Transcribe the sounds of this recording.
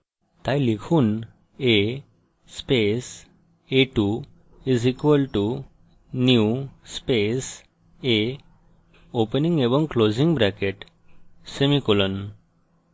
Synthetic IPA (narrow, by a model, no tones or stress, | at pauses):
t̪ãjlikʰuːn | e | spes | eʈu | izikʋəlʈu | njuspes | e | opəniŋɡeʋə̃ŋklod͡ziŋɡbɾækeʈ | semikɔlən